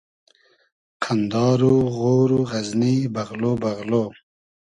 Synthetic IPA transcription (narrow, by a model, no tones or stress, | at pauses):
kʰand̪ɑːɾuɣoːɾuɣɐznibaɣlobaɣloː